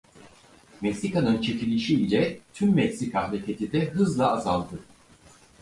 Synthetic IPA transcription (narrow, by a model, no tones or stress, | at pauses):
mɛksikanɯnt͡ʃʰecʰilʲiʃiilɛt̪ʰymːɛcsikaɦɾecʰet̪ʰid̪ɛɦɯzlˠaːzalˠd̪ɯ